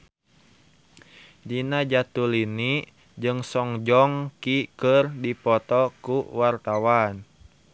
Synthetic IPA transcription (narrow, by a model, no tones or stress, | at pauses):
d͡ʒinad͡ʒat̪ulini | d͡ʒɨŋsɔŋd͡ʒɔŋkikərdipɔt̪ɔkuwart̪awan